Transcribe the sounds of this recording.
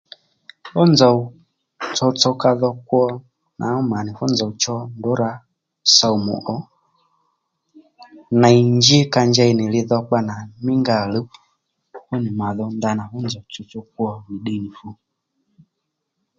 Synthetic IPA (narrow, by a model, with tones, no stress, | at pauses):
fɔ˦nza˨ | t͡sɔ˧t͡sɔ˧ka˧ðɔ˧kwɔ˦˧ | nʔa̰˨˦ɔ˦ma˨nɪ˨fɔ˦nzɔ˨u˨t͡ʃɔ˧ndo˨˦ɾa˧ | sa˨u˨mṵ˨ʔɔ˨˦ | na˨i˨ɲd͡ʒi˦ka˧ɲd͡ʒɛ˧i˧nɪ˨lɪ˧ðɔ˧k͡pa˦na˨mɪ˦ŋɡa˨lu˦ | hu˦nɪ˨ma˨ðɔ˧nda˧na˨fu˦nd͡zɔ˨t͡sɔ˧t͡sɔ˧k̚wɔ˦mi˨ɗe˧˨ni˨fu˧